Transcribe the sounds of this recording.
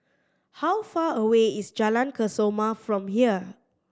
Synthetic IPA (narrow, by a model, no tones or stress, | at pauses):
hawfaəweisd͡ʒalãnkʰəsomafɹɔ̃mɦiə